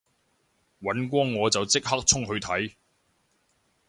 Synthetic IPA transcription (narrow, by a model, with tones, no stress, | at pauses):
wɐ˨˥nk̬ʷɔː˥ŋːɔː˨˧t͡sɐ˨wt͡sɪ˥k̚ha˥k̚t͡sʰʊ˥ŋɦɵ˧ɥt̪ʰɐ˨˥j